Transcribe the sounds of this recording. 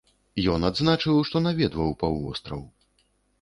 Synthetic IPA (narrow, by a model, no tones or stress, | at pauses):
jɔnad̪znat͡ʂɨwʂt̪ɔnavʲɛd̪vɐwpawɔ̰st̪ɾɐw